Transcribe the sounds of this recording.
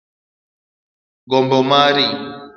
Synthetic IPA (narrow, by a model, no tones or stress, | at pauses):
ɡɔmbɔmaɾi